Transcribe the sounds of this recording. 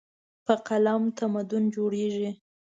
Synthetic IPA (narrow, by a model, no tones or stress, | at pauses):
pəqalamt̪amad̪ʊnd͡ʒoɽeʒi